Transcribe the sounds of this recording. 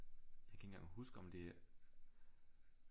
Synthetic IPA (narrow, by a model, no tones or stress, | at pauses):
jaɪkʰæen̩ɡ̥ɑ̰̈ŋhusɡ̥əɒ̽md̥e̝